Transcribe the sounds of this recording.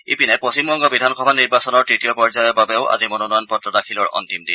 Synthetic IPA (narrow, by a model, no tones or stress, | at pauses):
ipinɛposimbɔŋɡɔbidʱankʰɔbʱaniɹbasɔnɔɹtɹitiɔpɔɹzajɔbabeʊʔa̰zimonɔnɔjɔnpɔtɹɔtakʰilɔɹɔ̰ntimdḭn